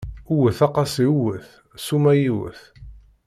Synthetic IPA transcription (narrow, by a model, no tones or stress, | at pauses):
uwəθɑqɑsiuwəθ | sumæjiwə̰θ